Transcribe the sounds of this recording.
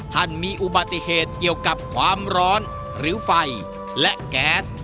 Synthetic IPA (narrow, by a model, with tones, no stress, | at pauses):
t̪ʰa˧˥˩nmiː˧ʔu˨˩ba˨˩t̪ːi˧˩heː˨˩t̪̚ki˨˩əwka˨˩p̚kʰwaː˧mɾɔː˦˥n | ɾɯː˩˦fa˧j | lɛ˦˥ʔkɛː˦˥s